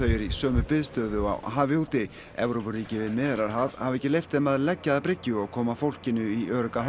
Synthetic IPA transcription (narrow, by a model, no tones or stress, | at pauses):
œːɥjɪɾisœːmʏpɪðst̪œːðʏa̰wɦaːvɪhut̪ɪ | ɛ̰vɾowpʏriːcɪvɪðmɪːðɪɾaɾɦað̥havɪɛhcːɪlejft̪ɛmaðlɛcːaðapɾɪcːʏɔɣkʰɔːmafowl̥cɪnʏiœːɾʏkah